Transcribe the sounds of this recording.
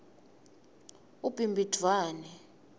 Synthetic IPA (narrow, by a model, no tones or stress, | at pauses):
ub̥ʱimbʱid̥ʱwaːnɛ